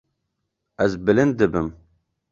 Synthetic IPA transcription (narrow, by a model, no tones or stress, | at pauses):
ɛzbɨlɨnd̪̚d̪ɨbɨm